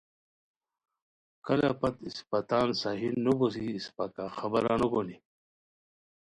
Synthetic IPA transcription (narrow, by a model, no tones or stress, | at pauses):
kɐla̰pɐt̪ispat̪aːnsaɦinːubos̬iːspakaxɐbɐɾanoɡoni